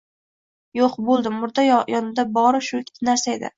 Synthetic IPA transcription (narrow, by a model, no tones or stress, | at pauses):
joqbolˠd̪ɪmːʊɾd̪ajjɒnɪd̪abɒɾʃʊkʲʰɪ̥t̪naɾsaed̪ɪ̰